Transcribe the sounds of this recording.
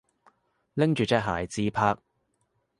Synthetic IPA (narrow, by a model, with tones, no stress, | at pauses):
lɪ˥ŋt͡ʃyː˨t͡sɛː˧˥k̚ɦaː˨˩jt͡siː˧pʰaː˧k̚